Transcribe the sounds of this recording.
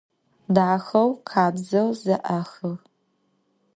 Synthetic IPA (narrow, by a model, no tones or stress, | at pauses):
daːxɐwqʰaːbzɐwzɐʔɐxɨʁ